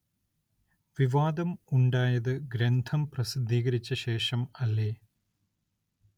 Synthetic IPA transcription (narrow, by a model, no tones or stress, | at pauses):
ʋiʋaːd̪ɐmuɳɖaːjɐðɨɡɾend̪ʱʰɐmprɐsid̪ʱːiːɣɐɾit͡ɕːɐɕe̞ːʂɐmɐlːeː